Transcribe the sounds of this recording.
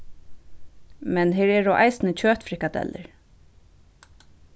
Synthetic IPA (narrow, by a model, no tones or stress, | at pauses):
mɛnɦeːɹɛːɹɔʔa̰jsnət͡ɕʰøːt̪fɾɪhkad̪ɛ̰lə̰ɹ